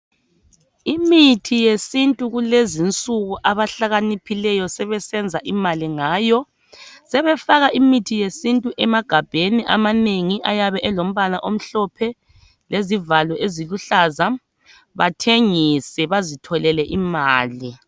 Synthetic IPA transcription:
imitʰijesintʼuɣulezint͡sʼuɣuʔaβaɬaɣanipʰilɛjɔsɛβɛsɛnd͡zʱaʔimaliŋaːjɔ | sɛβɛfaɣaʔimitʰijesintʼuʔɛmaɡ̥ʱab̥ʱeniʔamaneŋiʔajaβɛʔɛlom̩βanaʔom̩ɬɔpʰɛ | lʔezivalɔʔeziluɬaːza | βatʰeŋisɛβazitʰɔlɛlɛʔimaːli

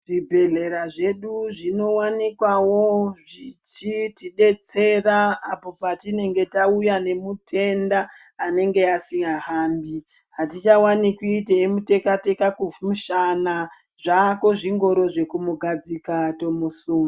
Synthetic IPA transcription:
ʐibʱe̞ɮe̞ɾaʐeɗuʐino̞wanikwawo̞ʐit͡ʃitiɗe̞t͡se̞raapo̞patine̞ŋɡe̞taujane̞mutʰe̞ndaː | ne̞ŋɡe̞asiŋɡaɦaːmbi | ɦatit͡ʃawanikiːteemute̞kate̞kakumuʃana | ʐakoʐiŋɡo̞ɾo̞ʐe̞kumuɡʱad͡zikato̞mosuni

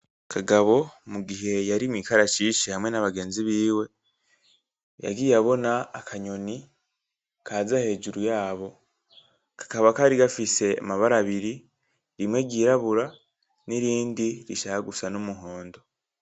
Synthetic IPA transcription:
kʰaɡaβo̞muɡiɦe̞jaɾimikaɾaʃiʃihamŋe̞naβaɡe̞ːnziβiːwe̞ | ja̰ɡijaβo̞naːkʰaɲo̞ni | kʰaːzahe̞ːd͡ʒuɾujaːβo̞ | kʰḁkaβakaɾiɡafise̞a̰maβaɾaβiɾi | ɾimwe̞ɟiːɾaβuɾa | niɾiːndiɾiʃahaɡusanomuɦoːndo̞

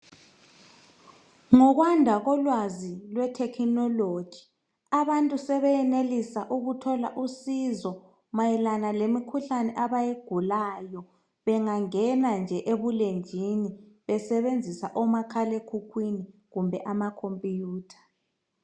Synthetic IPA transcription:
ŋɔɣwandʱaɣɔlwazilwɛtʰɛkʰinɔlod̥ʒ̥ʱi | aβantʼusɛβɛɛnelisaʔuɣutʰɔlaʔusizɔ | majɛlanalemikʰuɬanɛʔaβajeɡ̥ʱulajɔ | βɛŋaŋɛnand͡ʒʱɛʔeβulend͡ʒʱiniβɛsɛβend͡zʱisaʔɔmakʰalekʰukʰwiniɣumbʱɛʔamakʰompʼjuːtʰḁ

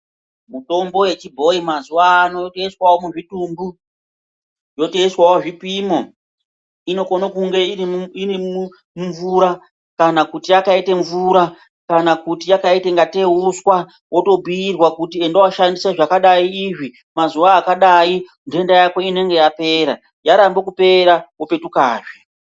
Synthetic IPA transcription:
muto̞mbo̞jet͡ʃibʱo̞imazuʋaːno̞jteiswawomuʐitumbu | jo̞teiswawoʐipimo̞ | ino̞konokuŋɡe̞iiniu | muɱvuɾa | kanakutijakaiteɱvuɾa | kanakutijakaiteŋɡate̞uswa | wʔo̞to̞bʱiirwakutiendowaʃandiseʐakaɗaiːʐi | mazuʋaːkaɗai | nde̞ndajako̞ine̞ŋɡejape̞ːɾa | jaɾambok̬upe̞ɾawope̞tukaːʐe

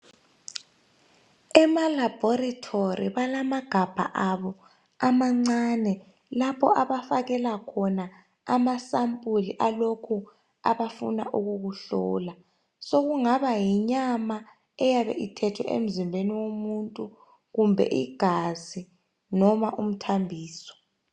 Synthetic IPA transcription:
ɛmalab̥ʱɔratʰoɾiβalamaɡ̥ʱab̥ʱa̰ʔaβɔ | amaŋ͡ǀanɛ | lapʰɔ̰aβafaɣɛlakʰɔna | amasampʼuliʔalokʰu | a̰βafṵna̰ʔuɣuɣuɬɔ̰ːla | soɣuŋaβajiɲama | ɛjaβɛ̰ʔitʰɛtʰwɛ̰ʔḛm̩zimbʱeniwomuntʼu | ɣumbʱɛ̰ʔiɡ̥ʱazi | nɔmaʔum̩tʰambʱiːsɔ̥

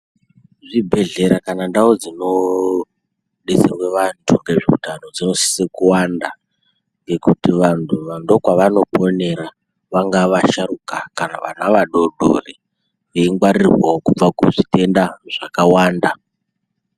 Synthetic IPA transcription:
ʐibʱe̞ɮe̞ɾakanandaod͡zino̞ | ɗeserwe̞ʋantʰuŋɡeʐiṵtano̞d͡zino̞si̥sekuwanda | ŋɡe̞kutiʋantʰuʋando̞kwaʋano̞po̞ne̞ɾa | ʋaŋɡaʋaʃaruka̰kanaʋa̰naʋaɗo̞ɗo̰re | ʋeiŋɡwaɾirwaokub͡vakuʐite̞ndaʐ̥akawaːnda

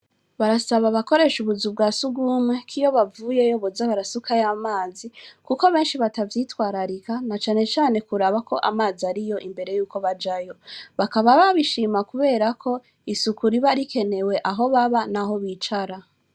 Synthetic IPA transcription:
βaɾasaβaβako̞ɾe̞ʃuβuzub̚ɡaːsuɡuːmwekʰijo̞βavuːje̞jo̞βozaβaɾasukajaːmaːzikuko̞βe̞ːnʃiβatavjiːtwaːɾaɾikanat͡ʃaːne̞t͡ʃaːne̞kuɾaβako̞ʔa̰maːziaɾijo̞ʔimbe̞ɾe̞juːko̞βad͡ʒajo̞βakaβaβaβiʃiːmakuβe̞ːɾakʰo̞ | isukuɾiβaɾikʰe̞ne̞we̞ʔaɦo̞βaβanaɦo̞βit͡ʃaɾa

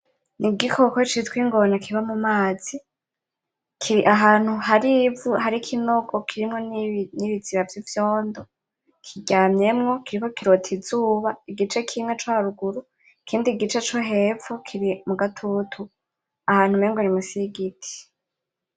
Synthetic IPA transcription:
niɡikʰokot͡ʃitkwiːŋɡo̞nakʰiβamumaːz̥i | kʰiɾiʔaɦaːn̥huhaɾivuhɦaɾikʰinoɡokʰiɾimŋo̞nniβiz̥iβavjivjoːndo | kʰiɟaːmɲe̞mŋo̞kʰiɾiko̞kiɾotʰizuːβaiɡit͡ʃe̞kʰimŋet͡ʃwaɾuɡuɾu | ikʰiːndiɡit͡ʃe̞t͡ʃoɦe̞vokʰiɾimuɡatʰutʰu | ahaːn̥humeːŋɡwoɾimusiɡitʰi̥

